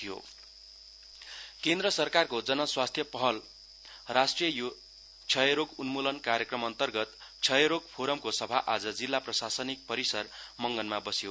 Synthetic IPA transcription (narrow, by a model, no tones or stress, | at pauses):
tʰijo̰ | kend̪rʌsʌrkarkod͡zʌnʌswast̪ʰjʌpʌɦʌl | rasʈrijʌju | t͡sʰʌjɾoɡunmulʌnkaɾjʌkrʌmʌnt̪ʌrɡʌt̪t͡sʰʌjɾoɡ̚pʰoɾʌmkosʌbʱaʔad͡zʌd͡zilːaprʌsasʌnik̚pʌɾisʌrmʌŋɡʌnmabʌsjo